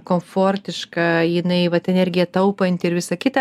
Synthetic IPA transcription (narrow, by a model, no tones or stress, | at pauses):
koːmfoːrʲt̪ʲɪʃkɑjɪnɐɪʋɐt̪ʲɛnɛrʲɡʲɪɛt̪ɐʊpɐnʲt̪ʲɪɪɾʋʲɪsɐkʲɪt̪ɐ